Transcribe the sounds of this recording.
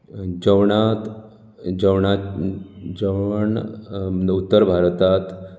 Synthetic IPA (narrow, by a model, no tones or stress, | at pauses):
d͡ʑəʋɳat̪ | d͡ʑəwɳa | d͡ʑəəɳ | d̪ut̪ːəɾbʱaɾt̪at̪